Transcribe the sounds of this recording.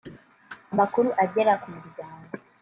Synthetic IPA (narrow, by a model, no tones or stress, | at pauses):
amakuɾuʔaɟe̞ɾakumuɾiɟaːŋa